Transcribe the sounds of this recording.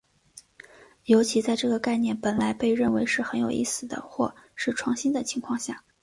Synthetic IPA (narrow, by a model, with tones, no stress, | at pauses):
jo˧˥ʊt͡ɕʰi˧˥t͡sa˥˧ɪʈ͡ʂɤ˥˩ɡə˩ka˥˧ɪnjɛ˥˩npə˨˩nla˧˥ɪpe˥˧ɪɻə˥˩nwe˧˥ɪʂɻ̩˥˩xə˧˥njo˨˩ʊʔḭ˥˩sɹ̩˨˩d̪ə̰˦xwɔ̰˥˧ʂɻ̩˥˧ʈ͡ʂʰwɑ˥˩ŋɕi˥nd̪ə˨t͡ɕʰi˧˥ŋkʰwɑ˥˧ŋɕja˥˩